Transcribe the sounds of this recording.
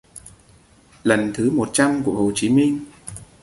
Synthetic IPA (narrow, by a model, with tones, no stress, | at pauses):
lə˨˩nt̪ʰɨ˨˦mo˨˩t̚t͡ɕa˧mku˧˩əho˨˩t͡ɕi˨˦mï˧ŋ̟